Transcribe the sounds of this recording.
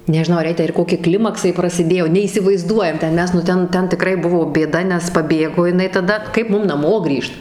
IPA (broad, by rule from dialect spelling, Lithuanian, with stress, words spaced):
nʲɛʒʲɪˈnɐʊ ɐr ˈjɛɪ tʲæː ɪr ˈkoːkʲɪ ˈklʲɪmɐksɐɪ prɐsʲɪˈdʲeːjoː nʲɛiːsʲɪʋɐɪˈzduɔjɛm tʲɛn ˈmʲɛs nʊ ˈtʲɛn ˈtʲɛn tʲɪˈkrɐɪ ˈbʊʋoː bʲeːˈdɐ nʲɛs pɐˈbʲeːɡoː jɪˈnɐɪ tɐˈdɐ ˈkɐɪp ˈmʊm nɐˈmoː ˈɡrʲiːʃt